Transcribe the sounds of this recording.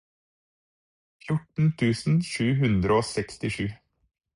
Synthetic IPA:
fjʊʈɳ̩t̪ʰʉːsn̩ʃʉːɦʉnd̪ɾəoːsɛkst̪ɪʂʉː

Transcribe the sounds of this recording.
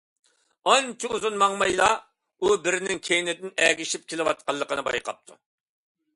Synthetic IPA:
ɑnt͡ʃʰiuzunmɑŋmɑjlˠɑ | ubɪɾnɪŋkʲʰejnɪd̪ɪnɛːɡʲiʃip̚kʲʰelɪwɑt̪̚qɑlˠːəqənɨbɑ̰jqʰɑ̰p̚t̪ʰu̥

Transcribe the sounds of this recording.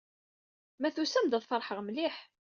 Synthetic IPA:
mæθusæmd̪əðˤfəɾˤħəʁmliħ

